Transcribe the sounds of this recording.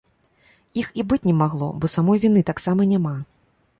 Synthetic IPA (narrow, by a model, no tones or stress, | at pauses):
ixibɨt͡sʲnʲɛmaɣlˠɔ̰bɔsamɔjvʲinɨt̪aksamɐnʲama